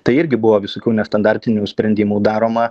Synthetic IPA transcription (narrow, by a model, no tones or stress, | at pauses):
t̪ɐɪɪɾʲɡʲɪbʊʋoːʋʲɪsoːkʲuːnʲɛst̪ɐnd̪ɑɾʲt̪ʲɪnʲuːsʲpʲɾʲɛnʲd̪ʲiːmuːd̪ɑːɾoːmɐ